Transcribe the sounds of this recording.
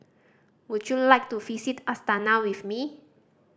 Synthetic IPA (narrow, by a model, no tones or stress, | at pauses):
wutjulajk̚tuvisitastanawifmi